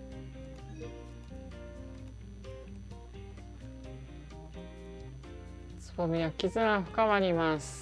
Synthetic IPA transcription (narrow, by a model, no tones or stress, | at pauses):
t͡sɨ̥bomʲiakʲizɨnaɸɯ̟̥kamaɾʲimasɨ̥